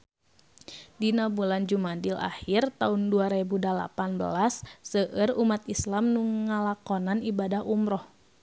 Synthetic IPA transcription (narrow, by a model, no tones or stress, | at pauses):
dinabuland͡ʒumandila̰hirt̪aunduaɾebudala̰panbə̰lasːəʔərumat̪islamnuŋalakɔnanibadahumɾɔh